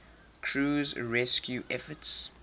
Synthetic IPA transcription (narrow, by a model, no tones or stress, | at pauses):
kʰɹuːzɹɛskʰjuʔɛfəts